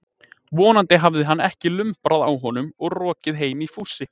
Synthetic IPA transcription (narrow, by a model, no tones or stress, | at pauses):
vɔːnant̪ɪɦavðɪɦanːɛhcɪlʏmpɾaðawɦɔnʏmɔɣrɔːcɪðɦeːjmifuːsɪ